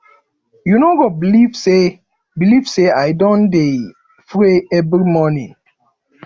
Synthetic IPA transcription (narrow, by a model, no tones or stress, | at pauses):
junoɡɔbilivse | bilivseajdɔ̃nde | fɾeɛbɾimɔnĩ